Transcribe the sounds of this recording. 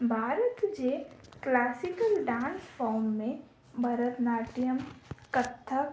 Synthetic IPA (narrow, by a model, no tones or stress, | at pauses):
bʱaːɾət̪d͡ʒeklaːsɪkəlɖãːnsfɔːmːẽ | bʱɐɾət̪naːʈijəmkət̪ʰːə